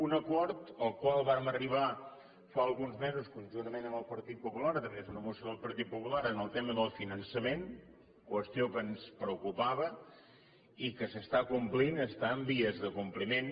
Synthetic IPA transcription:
unəkɔɾt̪əlˠkwalˠβaɾməriβ̞a | faəlˠɣunzmezuskunʲʒunt̪əmenəməlˠpəɾt̪it̪̚pupulaɾt̪əmezunəmusjoðəlˠpəɾt̪it̪̚pupulaɾənəlˠt̪eməðəlˠfinənsəmen | kwəst̪iokənspɾəukupaβə | ikəsəst̪akumplinəst̪aəmbiəzðəkumplimen

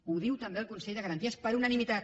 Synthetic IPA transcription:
uðiwt̪əmbeəlkunsɛʎd̪əɣɾənt̪iəspəɾunənimit̪at̪̚

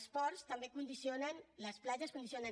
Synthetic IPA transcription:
spɔɾst̪əmbekund̪isionənləsplaʒəskund̪isiona

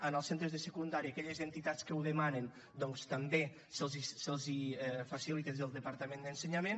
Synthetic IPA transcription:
ənəlˠsent̪ɾəzðəsəkund̪aɾiakɛʎəzənt̪it̪at͡skəuðəmanen | d̪ɔŋst̪əmbe | səlˠzisəlˠzifasilit̪ezəlˠd̪əpaɾt̪əmẽnd̪ənsəɲamẽn

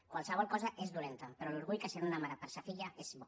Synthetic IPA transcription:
kwalˠsəβ̞ɔlˠkɔzəʔezdulent̪əpəɾɔluɾɣuʎkəsenunamaɾapəɾsafiʎaʔezβɔ

